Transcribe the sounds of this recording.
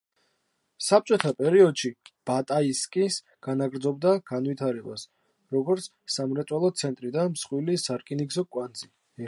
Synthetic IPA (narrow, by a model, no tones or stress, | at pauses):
sap̚t͡ʃʼɔt̪ʰapʼɛɾiɔd̪ʃib̥at̪ʼaiskʼis | ɡ̥anaɡɾd̪zɔbd̪aɡ̥anvit̪ʰaɾɛba̰s | ɾɔɡɔɾt̪sʰsamɾɛt̪sʼwalˠɔt̪sʰɛnt̪ʼɾid̪anmsχwilisaɾkʼiniɡzɔkʼwand̪zi